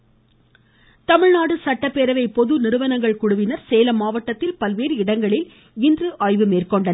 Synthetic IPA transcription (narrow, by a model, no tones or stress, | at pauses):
t̪ɐmɪɻnaːɽɯsɐʈːɐpːeɾɐʋɐɪpɔðɯnɪɾɯʋɐnɐŋɡɐɭkʊɽʊʋɪnɐɾseːlɐmːaːʋɐʈːɐt̪ːɪlpɐlʋeːɾɯɪɽɐŋɡɐɭɪl | ɪndrɯʔaːɻʋɯmeːrkɔɳɖɐn